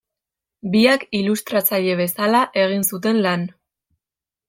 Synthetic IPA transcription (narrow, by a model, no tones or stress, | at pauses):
biakilust̪ɾat͡saʎe̞βe̞salaʔe̞ɣ̞insut̪̬e̞nlan